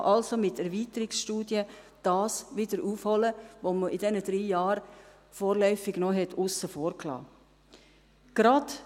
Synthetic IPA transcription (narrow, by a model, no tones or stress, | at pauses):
ʔɑlsomɪtɛɾviːtəɾɪksʃtuːdjə | d̥ɑːsʋɪd̥əɾuːfhɔləʋoməʔɪdɛnəd̥ɾiːjɑːɾ | foːɾlœʏfɪɡ̥noɦɛtʰʊsːəfoːɾkʰlɑ̰ː | ɡ̥ɾɑd̥